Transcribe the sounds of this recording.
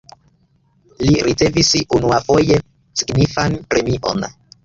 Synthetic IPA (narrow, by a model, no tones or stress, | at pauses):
liɾit͡se̞visiunuafo̞je̞ | siɡnifanpɾe̞miʔo̞̰n